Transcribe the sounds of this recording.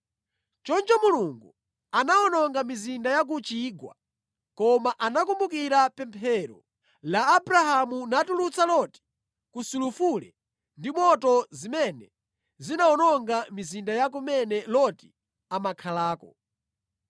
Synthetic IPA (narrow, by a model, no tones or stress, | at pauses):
t͡ʃɔnd͡ʒɔmuluŋɡu | anaɔnɔŋɡamizindajak̬ut͡ʃiːɡwa̰ | kɔmaʔanakumbukiɾapɛmpʰɛɾɔ̰ | laːbɾahamunatulut͡salɔti̥ | kusulufulɛ̰ | ndimɔtɔzimɛnɛ | zinaɔnɔŋɡamizindajak̬umɛnɛlɔti̥ | amakʰalaːkɔ